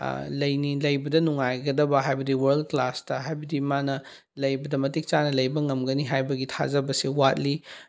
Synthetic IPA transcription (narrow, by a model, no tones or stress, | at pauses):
lɐjnilɐjbɐdɐnuŋajɡɐdɐbɐɦajbɐdiwɐɾldklastɐɦajbɐdimanɐ | lɐjbɐdɐmɐtik̚t͡ʃanɐlɐjbɐŋɐmɡɐniɦajbɐɡitʰa̰zɐbɐsewat̚li